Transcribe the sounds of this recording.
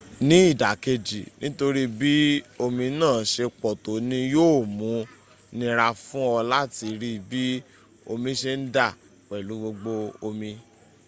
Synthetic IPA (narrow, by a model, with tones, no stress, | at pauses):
nĩ˨˦i˦˨da˨ke˧d͡ʒi˨nĩ˦to˧ɾi˦bi˦o˧mĩ˧nãː˦˨˦ʃe˧k͡pɔ˨to˨˦nĩ˧joː˦˨mũ˨˦ | nĩ˧ɾa˧fũ˦ɔ˧la˦ti˧ɾi˦bi˦ | o˧mĩ˧ʃe˧n̩˦da˦˨ | wɛ˨lu˨˦ɡ͡bo˧ɡ͡bo˧o˧mĩ˧